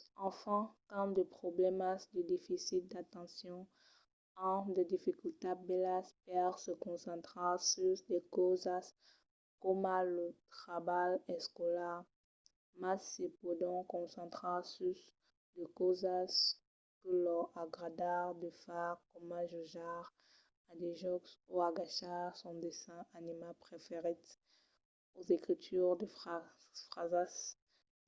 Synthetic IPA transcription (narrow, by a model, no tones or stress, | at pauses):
ɑ̃fɑ̃tɑ̃d̪əpχoblɛmasd̪əd̪efisit̪̚d̪at̪ɑ̃sjɔ̃ | ɑ̃d̪əd̪ifikylt̪abɛlaspɛʁsəkɔ̃sɑ̃t̪χɑ̃syʁd̪ekozas | komalot̪χabalɛskɔlaʁ | masepod̪ɔ̃kɔ̃sɑ̃t̪χɑ̃sys | d̪əkozas | kəlɔaɡʁad̪aʁd̪əfaʁkɔmaʒoʒaʁ | ad̪eʒɔksoaɡaʃaʁsɔ̃d̪esɛ̃ʔanimapχefeʁit̪ | ozekχit̪ʰyʁd̪əfa | fχazas